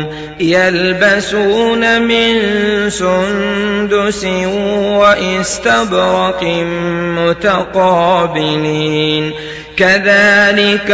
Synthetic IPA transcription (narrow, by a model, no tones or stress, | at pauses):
jalbasuːnamɪnsʊnd̪ʊsɪwaʔɪst̪abɾɑqɪmʊt̪aqɑːbɪliːn | kaðaːlɪk